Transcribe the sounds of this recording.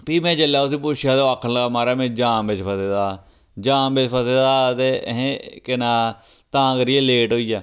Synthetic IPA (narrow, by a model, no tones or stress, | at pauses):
piːmɛ̃ːt͡ʃəljaːʊs̬iːp̬ʊʃaːd̪oːaːkʰːənləɡaːmaːɾaːmɛ̃ːd͡ʒãːmbɪt͡ʃpʰəseːd̪aː | d͡ʒãːmbet͡ʃpʰəseːd̪aːt̪eːɦẽkɪnaːt̪ãːkəɾieːleːʈɦoːiːjaː